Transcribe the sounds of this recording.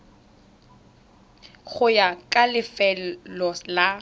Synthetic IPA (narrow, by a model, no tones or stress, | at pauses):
χʊjakʼalɪfɛlɔla